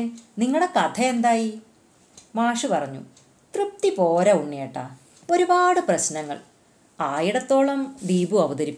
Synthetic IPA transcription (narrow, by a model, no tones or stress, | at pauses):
niŋːɐɭɽe̞kɐt̪ʰɐend̪aːji | maːʂɨpɐrɐɲːṵ | t̪rɨp̚t̪ipo̞ːɾɐuɳːieʈːɐ̰ | o̞ɾubaːɽɨprɐɕnɐŋːɐ̰ɭ | aːjiɽɐt̪ːo̞ːɭɐmd̪iːbuɐʋɐðɐɾipʲː